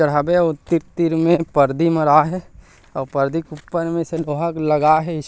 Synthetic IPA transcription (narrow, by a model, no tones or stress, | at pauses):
əɽ̤aːbeot̪iɾt̪iɾmẽpəɾd̪iməɾaɦɛ | ɔːɾpəɾd̪ikupːəɾmẽseloːɦəkləɡaɦɛɪ